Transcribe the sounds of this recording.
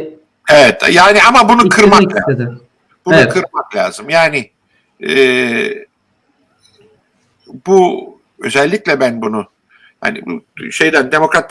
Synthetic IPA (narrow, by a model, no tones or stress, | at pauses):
evɛt̪ʰjaːniamabunukʰɯɾmaklʲaː | bunukʰɯɾmaklʲa̰ːz̥ɯmjaːnɪ | ɛː | bu | ø̞̰zɛlʲːiclʲɛbænbunu | ja̰ːnḭbṵʃe̞jd̪ænd̪e̞mo̞kɾat̪ː